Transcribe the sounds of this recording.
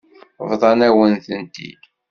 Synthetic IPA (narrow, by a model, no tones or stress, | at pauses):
vðˤɑnæwənθənt̪ḭ